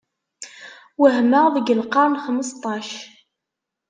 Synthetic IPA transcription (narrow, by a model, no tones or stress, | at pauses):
wəɦməʁðəɡəlqɑˤnχəməst̪ˤːɑʃ